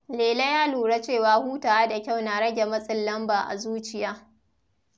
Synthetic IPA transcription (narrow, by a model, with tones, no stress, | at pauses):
leː˨lɐ˦jaː˦luː˨ɽa˦t͡ʃeː˦˨waː˦huː˦taː˨a˦da˨kʲa˦˨wnaː˨ɽɐ˦ɡʲe˨mɐ˦sʼɪ˦˨lːɐ˦mbaː˨ʔa̰˨zuː˦t͡ʃɪ˦jaː˦